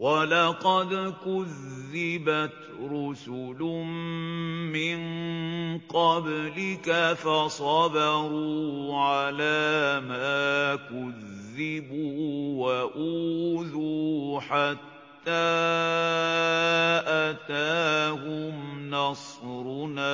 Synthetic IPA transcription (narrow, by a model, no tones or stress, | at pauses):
wɑlɑqɑd̪kʊðːɪbat̪ | ɾʊsʊlʊmmɪn | qɑblɪkafasˤɑbahuːʕalaːmaːkʊðːɪbuːwaʔuːðuːħat̪ːaː | ʔat̪aːhɦʊmnɑsˤɾʊn